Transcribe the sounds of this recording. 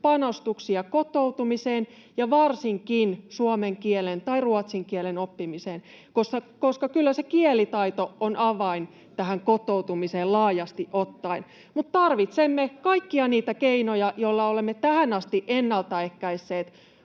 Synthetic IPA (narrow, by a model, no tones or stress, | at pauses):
pɑnost̪uksiɑkot̪out̪umiseːn | jɑʋɑrsiŋkinsuomeŋkielent̪ɑiruɑt̪siŋkiɛlenopːimiseːn | kosːɑkoskɑkylːæsekielit̪ɑit̪oonʔɑʋɑin | t̪æhæŋkot̪out̪umiseːlɑːjɑst̪iʔʔot̪ːɑin | mut̪tːɑrʋit̪semːekɑikːiɑniːt̪ækeinojɑjolːɑolemːet̪æhænɑst̪iʔʔenːɑlt̪ɑehkæisːeːt̪